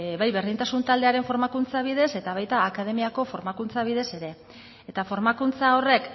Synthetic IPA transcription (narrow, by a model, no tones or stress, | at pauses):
βajβeɾðint̪asunt̪ald̪e̞aɾe̞ɱfo̞ɾmakunt͡saβið̞e̞se̞t̪aβajt̪aːkaðe̞miako̞fo̞ɾmakunt͡saβ̞iðe̞se̞ɾe̞ː | t̪afo̞ɾmakunt͡sao̞re̞k